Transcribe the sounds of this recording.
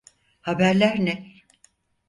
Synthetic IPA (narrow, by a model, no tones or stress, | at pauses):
habæɾlʲæɾnɛ